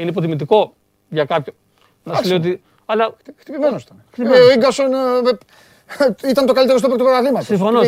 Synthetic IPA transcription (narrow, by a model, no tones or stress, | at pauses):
ineip̬ot̪imit̪iko̞ | ʝɐkɐpço | nɐslejot̪̬i | ɐlɐt̪xt̪ipivenosit̪ɐnxt̪ioiŋɡɐson | it̪ɐnt̪okalit̪eɾs̬t̪opekt̪pɾavlimɐt̪sifono